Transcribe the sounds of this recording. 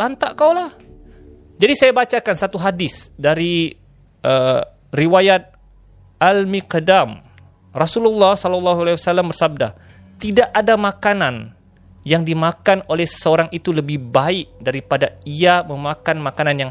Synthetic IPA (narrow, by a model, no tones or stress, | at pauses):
lant̪aʔkawlah | d͡ʒadisajabat͡ʃakansat̪uɦadɪsdaɾi | ʔə | riwajat̪̚ | almikədam | rɔsululːɑhsɔlɔlːɑɦualewasalambərsab̚da̰ | t̪idaʔadamakanan | jaŋdimakanolɛhsə̥səoɾaŋit̪uləbɪhbaɪk̚daɾipadaiaməmakanmakananjaŋ